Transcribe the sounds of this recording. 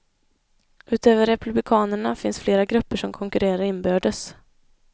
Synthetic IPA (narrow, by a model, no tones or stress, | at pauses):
ʔʉ̟ːt̪øːvəɾɛpɵblɪkʰɑːnəɳafɪnsfleːɾaɡɾɵpːəʂɔmkʰɔŋkɵɾeːɾaɾɪnbøːɖəs